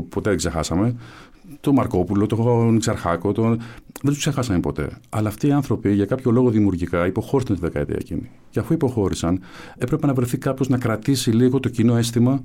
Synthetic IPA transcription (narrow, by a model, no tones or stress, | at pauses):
po̞t̪eðeɡsexɐ̰sɐme̞ | t̪o̞mɐɾko̞pulo̞t̪onzɐɾxɐko̞t̪oðet̪u̥ksexɐsɐnpo̞t̪e̞̰ɐlɐːft̪iːɐnθɾo̞piʝɐkɐpço̞lo̞ɣo̞ðimiuɾʝikɐipo̞xo̞ɾisɐnt̪iðe̞kɐḛt̪ḭɐ̰cḭni | ceɐfuipo̞xo̞ɾisɐn | e̞pɾe̞pe̞nɐvɾe̞θikɐpço̞znɐkɾɐt̪isiliɣo̞t̪o̞cino̞e̞st̪imɐ